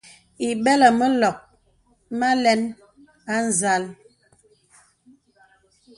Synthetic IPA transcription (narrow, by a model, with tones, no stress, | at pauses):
i˨bɛ˦lə˨mə˦lɔ˨k̚ | ma˦lɛ˦n | a˦n̩˨za˦l